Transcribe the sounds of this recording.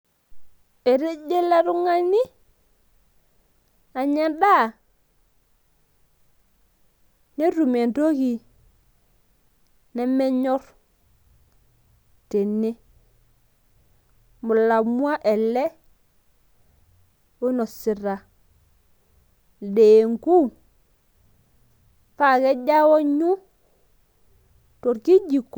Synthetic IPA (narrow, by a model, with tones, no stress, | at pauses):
e˨ɾe˦d͡ʒe˦la˦ɾu˦ŋa˦ni˦ | a˨ɲa˨da˦ | ne˦ɾu˨me˨ndo˦ɣi˨ | nɛ˦mɛ˦ɲɔ˦ɾ | te˨ne˦ | mu˨la˨mu˦a˦ʔe˨lːe˦ | wo˦no˨si˨ɾa˨ | deː˨ŋku˦ | fa˦˨ke˦ɟa˦wo˦ɲu˦ | to˨ɾki˦ɟi˨ko˨